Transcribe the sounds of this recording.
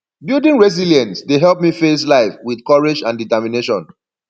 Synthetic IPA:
bildĩnɹɛz̬iljɛ̃ntsdeɦɛlˠp̚mifes̬laɪfwiðkɔɹed͡ʒãnditɛmineʃɔ̃n

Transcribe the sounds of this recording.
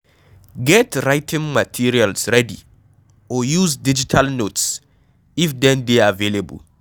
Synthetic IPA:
ɡɛtɹajtʰĩŋmatʰiɹialsɹɛdḭ | ɔjuzdid͡ʒitʰalnots | ifdɛ̃ndeavelebṵl

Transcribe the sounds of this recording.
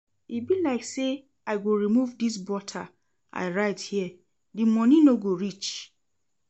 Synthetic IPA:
ibilaɪkse | aɪɡoɹimuvdis̬bɔtʰa | ʔa̰ɪɹaɪthiɛ | dimɔnĩnoɡoɹit͡ʃ

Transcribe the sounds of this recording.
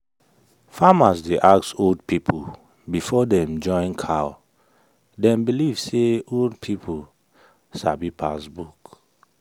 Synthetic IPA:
famasdeʔaksold̚pʰipʰu | bifɔdɛ̃md͡ʒɔ̃ɪ̃nkʰa | dɛ̃mbilivseoldpʰipʰu | sa̰bipʰasbuk

